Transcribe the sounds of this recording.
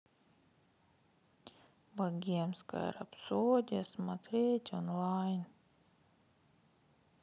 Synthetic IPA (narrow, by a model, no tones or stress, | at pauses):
baɡʲiɛmska̰j̰ɾa̰psuːd̪ʲɛsmat̪ɾeːt̪ʲɔnlˠajn